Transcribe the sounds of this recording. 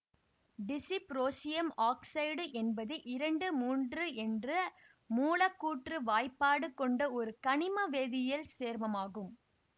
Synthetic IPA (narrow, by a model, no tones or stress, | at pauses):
ɖɪsipɾoːsɪjɐmaːksɐɪɖʔɛnbɐðɯʔɪɾɐɳɖɯmuːndrɯɛndrɐ | muːlɐkːuːʈrɯʋaːjpːaːɽɯkːɔɳɖɐɔɾɯkɐɳɪmɐʋeːðɪjɐlseːɾmɐmaːɣɯm